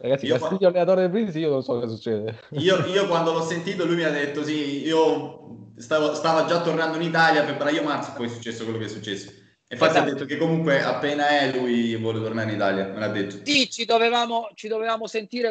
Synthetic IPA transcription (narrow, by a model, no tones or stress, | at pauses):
ɾaɡat̪siasait̪joalːenat̪oːɾed̪ep̬ɾinsiiːononsɔkːɔzasut͡ʃːɛːd̪eiːoiːokwand̪olɔsːent̪iːt̪olujmiad̪ːet̪ːosiio | st̪avost̪aːvad͡ʒat̪ːornand̪oinit̪aljapɾepːaɾaiːomart̪spɔjsːut͡ʃːɛsːokwelːok̬ɛsːut͡ʃːɛsːo̥ | ĩɱfat̪ːiad̪ːet̪ːokekːomuŋkweʔa̰pːeːnaɛlujvwɔlet̪ornaɾinit̪aːljamelad̪ːet̪ːo̥sit͡ʃid̪ovevaːmot͡ʃid̪ovevaːmosent̪iːɾe